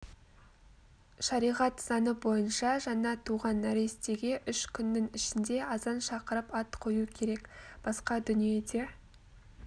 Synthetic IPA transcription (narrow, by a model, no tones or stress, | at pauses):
ʃɑɾijʁɑt̪sɑnəbo̞jənʃɑʒɑnɑt̪ʰuʁɑnæɾe̞st̪e̞ɡʲe̞ʔʏʃkʲʰʏnːɪŋɪʃɪnd̪e̞ɑzɑnʃɑqəɾəpɑt̪qʰo̞jukʲʰe̞ɾe̞kb̥ɑsqɑd̪ʏnije̞d̪e̞